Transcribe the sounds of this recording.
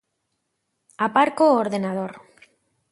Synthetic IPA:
apaɾkoːɾðenað̞oɾ

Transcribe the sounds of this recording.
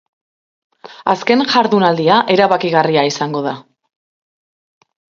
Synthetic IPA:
aske̞nʝaɾðunald̪iaʔe̞ɾaβakiɣariaisaŋɡo̞ða

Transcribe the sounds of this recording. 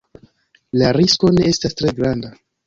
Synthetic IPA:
laɾisko̞ne̞estastɾe̞ɡɾanda

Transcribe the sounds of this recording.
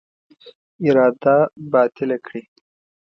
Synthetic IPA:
ɪɾɑd̪abɑːt̪ɪlakɽi

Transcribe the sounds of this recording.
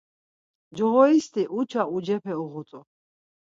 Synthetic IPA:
d͡ʒɔʁɔist̪ʰiʔut͡ʃʰaud͡ʒɛpʰɛuʁɔt̪ʼɔ

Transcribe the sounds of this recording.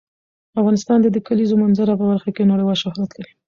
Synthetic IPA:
afɣɑnɪst̪ɑnd̪əd̪əkalizomanzaɾap̬əbaɾxakenaɽejwɑlʃʊhɾat̪laɾi

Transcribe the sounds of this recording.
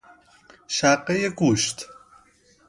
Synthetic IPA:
ʃæqːejeɡuːʃt̪

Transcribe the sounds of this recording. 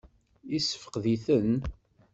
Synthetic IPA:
isə̥fə̥qðiθən

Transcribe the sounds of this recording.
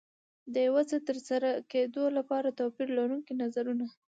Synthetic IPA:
d̪əjawat͡sət̪əɾsaɾaked̪olapɑɾat̪apiɾlaɾuŋkinazaɾuna

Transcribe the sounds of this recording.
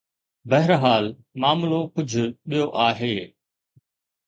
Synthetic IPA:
bɐɦɪɾɦaːl | maːmlokʊd͡ʑʱʊɓijoʔaːɦeː

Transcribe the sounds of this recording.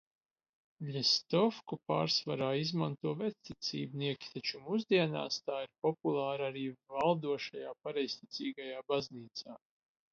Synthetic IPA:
ʎʲɛst̪ɔfkupa̰ːɾsvaɾaːizmant̪uɔvɛt̪st̪it̪sʲḭːbniɛkʲi̥t̪at͡ʃumuzd̪iɛna̰ːst̪aːiɾpɔpulˠaːɾaɾiːvalˠd̪uɔʃajaːpaɾɛjsʲt̪it̪siːɡajaːbazniːt̪saː

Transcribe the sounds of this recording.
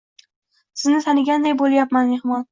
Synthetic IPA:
sɪznɪt̪ʰanɪɡʲand̪ajbolˠjapmanmehmɒn

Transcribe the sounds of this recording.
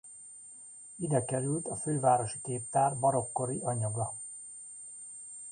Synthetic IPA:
id̪ɛkɛɾylt̪ɒføːvaːɾo̞ʃi̥keːp̚t̪aːrbɒɾo̞kːo̞ɾiɒɲɒɡɒ

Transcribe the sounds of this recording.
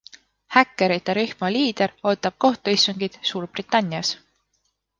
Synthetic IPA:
hækˑːe̞ɾit̪ːˑeɾehmɑliːd̪̥e̞ɾo̞ːt̪ːˑɑb̥̚ko̞ht̪uist̪uŋɡ̥id̪̥suːrb̥rit̪ːˑɑnʲːiɑs

